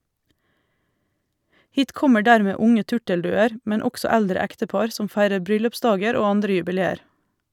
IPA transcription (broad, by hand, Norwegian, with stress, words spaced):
ˈhiːt ˈkɔmə ˈɖæːɾmeː ˈʊŋə ˈtʉʈəlˌdʉːəɾ ˈmɛn ˈɔɡsɔ ˈældɾə ˈæktəˌpɑɾ ˈsɔm ˈfæɪɾəɾ ˈbɾʏlʉpˌsdɑːɡəɾ ˈoː ˈɑndɾə jʉbɪˈleːəɾ